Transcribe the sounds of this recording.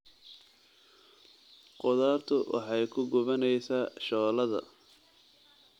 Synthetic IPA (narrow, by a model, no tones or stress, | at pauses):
qʊðaːrt̪ʰʊwʔɑ̰ħɑjkʰʊɡʊβɐnɛjsaːʃɔːlɐðɐ̰